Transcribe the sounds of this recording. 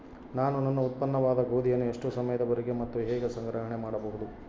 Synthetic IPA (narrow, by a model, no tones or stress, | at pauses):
naːnunɐnːuːt̪̚pɐnːɐʋaːd̪ɐɡoːd̪ijɐnːue̞ʂʈusɐmɐjɐd̪ɐbɐɾeɡemɐt̪ːuɦɛːɡesɐŋɡɾɐɦɐɳemaːɽɐbɐɦud̪u